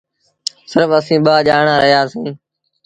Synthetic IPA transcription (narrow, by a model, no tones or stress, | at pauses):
sɪɾfəsĩːɓaːʄaːɳaːɾʔəɦjaːsĩː